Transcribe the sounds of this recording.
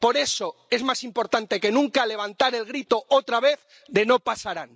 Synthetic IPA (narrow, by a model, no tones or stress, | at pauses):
po̞ɾe̞soe̞zmasimpo̞ɾt̪ant̪e̞ke̞nũŋkale̞β̞ant̪aɾe̞lɣɾit̪o̞ot̪ɾaβe̞θ | d̪e̞nopasaɾan